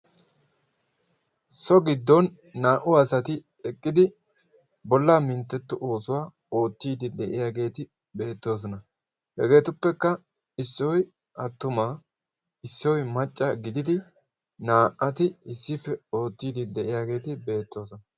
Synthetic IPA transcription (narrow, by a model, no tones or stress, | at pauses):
sɔɡɪd̪ːɔnː | aːʔʊɐsɐt̪ɪ | ɛkʼːɪd̪ɪ | bɔlːaːmɪnt̪ːɛt̪ːʊʔo̞ːsʊwaː | o̞ːt̪ːiːd̪ɪd̪ɛʔɪjaːɡe̞ːt̪ɪ | be̞ːt̪ːo̞ːs̬ɔnɐ | hɛ̰ɡe̞ːt̪ʊpːɛkːɐ | ɪsːɔj | ɐt̪ːʊmaː | ɪsːɔjmɐt͡ʃʼːɐɡɪd̪ɪd̪ɪ | naːʔɐt̪ɪɪsːɪfɛo̞ːt̪ːiːd̪ɪd̪ɛʔɪjaːɡe̞ːt̪ɪbe̞ːt̪ːo̞ːsɔnɐ